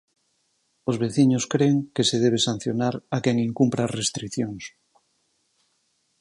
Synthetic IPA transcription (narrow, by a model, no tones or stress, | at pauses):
ozβeθiɲoskɾeŋkeseð̞eβ̞esan̟θjonaɾakeŋiŋkumpɾarest̪ɾiθjoŋs